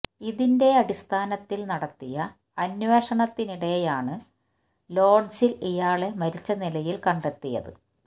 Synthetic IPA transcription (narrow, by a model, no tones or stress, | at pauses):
iðinde̞ɐɽist̪ʰaːnɐt̪ːilnɐɽɐt̪ːijɐ | ɐnwe̞ːʂɐɳɐt̪ːiniɽe̞jaːɳɨ | lo̞ːɖsilijaːɭe̞mɐɾit͡ɕːɐnilɐjilkɐɳɖe̞t̪ːijɐ̰ðɨ̰